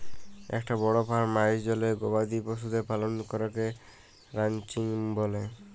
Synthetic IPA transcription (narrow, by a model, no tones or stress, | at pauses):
ɛ̰kʈabɔɽopʰaɾmajʃd͡ʒɔleɡobad̪ipos̬ud̪epalonkɔɾɔke | ɾant͡ʃiŋbole